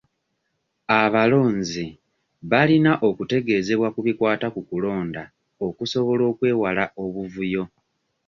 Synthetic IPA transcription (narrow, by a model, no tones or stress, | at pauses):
aβalo̞ːnzi | βalinaʔo̞kute̞ɡe̞ːze̞βwakuβikwaːtakukulo̞ːnda | o̞kuso̞βo̞lo̞ːkwe̞ːwalaʔo̞βuvujo̞